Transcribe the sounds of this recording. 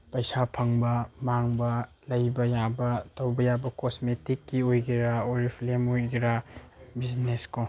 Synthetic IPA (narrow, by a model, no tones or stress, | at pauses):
pɐjsapʰɐŋbɐmaŋbɐ | lɐjbɐjabɐtɐwbɐjabɐkosmetikːiojɡiɾaoɾipʰlemojɡiɾabid͡ʒnesko